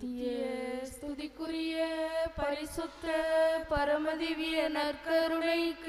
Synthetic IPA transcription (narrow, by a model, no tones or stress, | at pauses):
jɐst̪ʰʊðikːʊɾɪjɐpɐɾɪsʊt̪ːɐpɐɾɐmɐðiʋɪjɐnɐɾkɐɾɯnɐɪ